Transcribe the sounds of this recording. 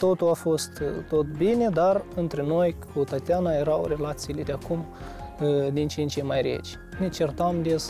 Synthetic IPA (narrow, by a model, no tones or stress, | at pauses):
t̪o̞t̪ulafo̞st̪t̪o̞t̪binʲe̞d̪arɨnt̪ɾeno̞jkut̪at̪eanaje̞ɾawre̞lat̪sijːle̞d̪ʲeakum | d̪int͡ʃent͡ʃejmajɾḛt͡ʃʲ | nʲet͡ʃert̪amd̪es